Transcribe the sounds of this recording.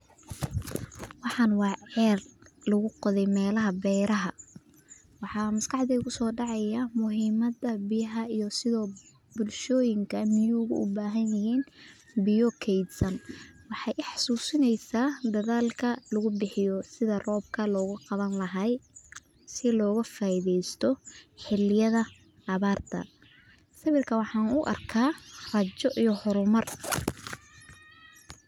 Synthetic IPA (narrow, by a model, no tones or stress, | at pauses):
wɑħɑnwɑːʕɛːrlɐɣʊqɔðɛjmɛːlɐɦɐbɛjɾɐɦɐ | wɑħɑːmɐskɑħd̪iʊɣʊsɔːɖɑʕɑjɐmʊɦiːmɐðɐbɪjɐɦɐijɔsɪðɔː | bʊlʃɔːjɪŋkʰɐmɪjuːɣʊ̰ʔʊ̰baːɦɐnjɪɦiːn | bɪjɔkʰɛjd̪sɐnwɑħɑjʔħɑ̥suːsɪnɛjsaːd̪ɐðaːlkʰɐlɐɣʊbɪħɪjɔsɪðɐrɔːb̚kʰɐlɔːɣʊqɑβɐnlɐɦɐj | sɪlɔːɣɐfaːɪðɛjst̪ʰɔħɪlɪjɐðɐ | ʔːβaːrt̪ʰɐ̰ | sɐβɪrkʰɐwɑħɑːnʊʔɐ̰rkʰaːrɐt͡ʃɔʔijɔhɔɾʊmɐr